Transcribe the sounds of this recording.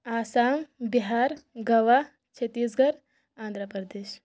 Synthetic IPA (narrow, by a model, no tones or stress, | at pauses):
aːsaːŋbiɦaːɾɡɐʋa | t͡ʃʰɐt̪iːsɡɐɾ | ãːnd̪ʱɾəpəɾd̪eːʃ